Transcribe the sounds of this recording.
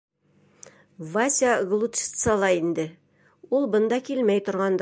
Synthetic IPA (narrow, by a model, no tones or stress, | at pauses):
vasʲaɡlˠut̪ʃt̪sɑlˠɑind̪ɘ | ulˠbɤ̆nd̪ɑkilmæjt̪ŏɾʁɑnd̪